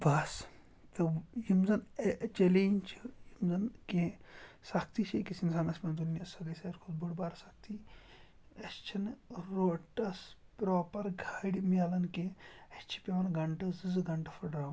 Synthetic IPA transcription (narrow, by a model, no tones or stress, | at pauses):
bas | t̪ɐjimzɐnt͡ʃelenʲt͡ʃʰijimzɐnkesak̚t̪iʃʰekisinsaːnɐsmʲɐnd̪unːʲɐsɐd̪isɐɾkʰod̪buɽbaːɾɐsak̚t̪ʰi | ɐst͡ʃʰɐnɾoʈɐspɾoːpɐɾɡʱaːɽʲimʲalɐnkeɐst͡ʃʰi̥pʲeʋɐnɡɐɳʈɐsɨzɨɡɐɳʈɐfɐɖɾaːm